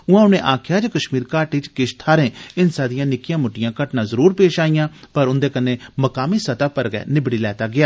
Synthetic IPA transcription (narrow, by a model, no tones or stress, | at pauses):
ʊãːʊnẽːʔaːkʰjaːd͡ʒkəʃmiːɾkaːʈit͡ʃkɪʃt̪ʰaːɾẽːɪnsãːd̪ɪjãːnɪkɪjãːmʊʈɪjãːkəʈnãːzəɾuːɾpeːʃaːijãːpəɾʊnd̪eːkəneːməkaːmiːsət̪aːpəɾɡɛ̰ːnɪbɽiːlɛːt̪aːɡɪaː